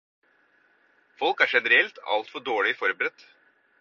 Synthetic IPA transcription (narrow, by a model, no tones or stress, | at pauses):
fɔlkæːʂɛnəɾɛlt̪ɑ̰lt̪fɔɖoːɭɪfɔɾbəɾɛt̪ː